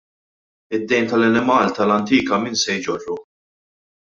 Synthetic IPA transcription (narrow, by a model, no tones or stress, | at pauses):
ɪd̪ːɛjmt̪ɐlɐnɪmɐːlt̪ɐlɐnt̪iːkɐmiːnsɛjd͡ʒɔrːu